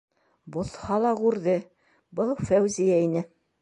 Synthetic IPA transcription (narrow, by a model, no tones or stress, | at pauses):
bŏθhɑlˠɑʁʉɾðɘ | bɤlˠfæwzijæinɘ